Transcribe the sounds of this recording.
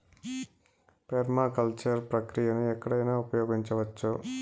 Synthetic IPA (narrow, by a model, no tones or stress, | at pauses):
peɾmakɐlt͡ʃɐɾpɾɐkɾijɐnuɛkːɐɽɐjnaːupɐjɔːɡiɲt͡ʃɐʋɐt͡ʃːu